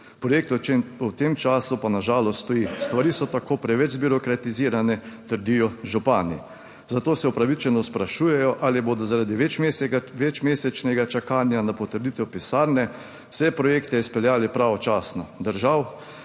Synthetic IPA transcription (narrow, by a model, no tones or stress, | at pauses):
pɾɔjek̚t̪uut̪emt͡ʃaːsupanaʒaːlɔst̪t̪ɔjist̪ʋaɾiːsɔt̪akoːpɾɛʋɛd͡ʒzbiɾɔkɾat̪iziːɾanɛt̪əɾd̪ijɔʒupaːnḭ | zat̪oːsɛupɾaʋit͡ʃɛnɔspɾaʃuːjɛjɔʔaːliboːd̪ɔzaɾad̪iʋɛeʋɛt͡ʃmeːsɛt͡ʃnɛɡat͡ʃakaːnjanapɔt̪əɾd̪it̪ɛwpisaːɾnɛ̥ | sɛpɾɔjeːkt̪ɛspɛljaːlipɾaːʋɔt͡ʃaːsnɔd̪əɾʒaw